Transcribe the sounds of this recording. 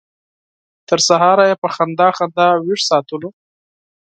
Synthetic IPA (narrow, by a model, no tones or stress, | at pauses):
t̪əɾsaɦɑɾajepəxand̪ɑxand̪ɑwiʐsɑt̪əlo